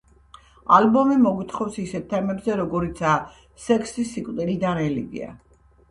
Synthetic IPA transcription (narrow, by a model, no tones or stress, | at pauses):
albɔmimɔɡit̪ʰχɔfsisɛt̪ʰːɛmɛbzɛɾɔɡɔɾit̪sʰaː | sɛkʰsisikʼt̪ʼiɾid̪anɛliɡḭa̰